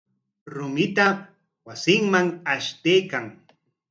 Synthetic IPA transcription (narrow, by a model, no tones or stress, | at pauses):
ɾʊmɪt̪a | wasɪŋmaŋaʃt̪ejkaŋ